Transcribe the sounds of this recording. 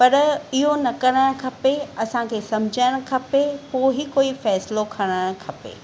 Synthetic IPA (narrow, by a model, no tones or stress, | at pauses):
pɐɾɪɦonɐkɐɽəɽ̃kʰɐpeɐsãkʰeːsɐmd͡ʑʱəɽ̃kʰɐpepoːɦikoːifɛːslokʰɐɽ̃əɽ̃kʰɐpḛː